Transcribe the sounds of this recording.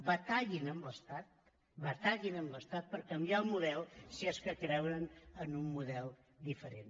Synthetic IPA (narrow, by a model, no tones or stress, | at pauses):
bət̪aʎinəmbəst̪at̪̚ | bət̪aʎinəmbləst̪at̪̚pəɾkəmbialˠmuðɛlˠsiɛskəkɾɛwɾənənumːuðɛlˠ | d̪ifəɾḛn